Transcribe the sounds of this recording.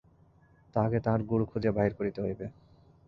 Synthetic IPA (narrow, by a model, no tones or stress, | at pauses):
t̪aket̪aɾɡuɾukʰud͡ʑiabaɦiɾkoɾit̪eɦojbe